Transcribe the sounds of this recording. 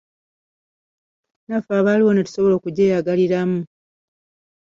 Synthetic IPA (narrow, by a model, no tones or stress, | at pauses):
nafaːβaliwo̞natu̥so̞βo̞lo̞ːkuɟeːjaɡaliɾamu